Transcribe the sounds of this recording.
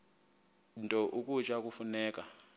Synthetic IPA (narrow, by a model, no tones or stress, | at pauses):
ntʼɔʔukʼut͡ʃʼak̬ʼufunɛːk̬ʼa